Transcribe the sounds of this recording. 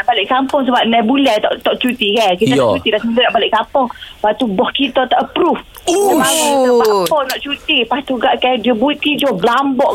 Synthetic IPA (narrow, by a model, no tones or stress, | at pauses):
naʔbalɪʔkampʊŋsəbap̚nɛbulɛt̪ɔʔt̪ɔʔt͡ʃut̪ikakit̪anat͡ʃt͡ʃut̪ilasəmidənaʔbalɪʔkampʊŋpat̪ubɔhkit̪ɔt̪aʔəpɾuf | əmaaapɔŋnɔʔt͡ʃut̪ipat̪uɡaʔkajdiəbuit̪id͡ʒɔblambɔʔ